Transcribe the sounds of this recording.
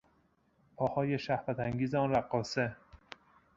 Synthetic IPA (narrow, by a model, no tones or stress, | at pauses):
pʰɒːhɒːje̞ʃæhvæt̪ʰæŋɡʲiːzeɒːnɾæɢːɒːse